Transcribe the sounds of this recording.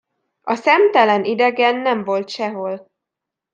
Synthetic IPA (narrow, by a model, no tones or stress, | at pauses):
ɒsɛmt̪ɛlɛnid̪ɛɡɛnːɛɱvo̞lt̪ʃɛɦo̞l